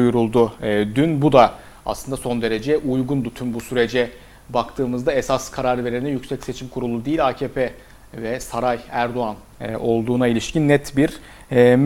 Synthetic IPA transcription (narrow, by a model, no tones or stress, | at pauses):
ujuɾulˠd̪ʊd̪ynbud̪a | a̰slˠɯnd̪aso̞nd̪e̞ɾe̞d͡ʒɛʔujɡund̪ut̪ʰymbusyɾe̞d͡ʒɛ | bakt̪ʰɯːmɯzd̪aesaskʰaɾaɾve̞ɾenɛjycsɛcse̞t͡ʃʰimkʰuɾulˠud̪ejilʲaːcʰeːpʰe | vɛsaɾajæɾd̪o̞an | o̞lˠd̪uːnailʲiʃcʰinːɛt̪biɾ | m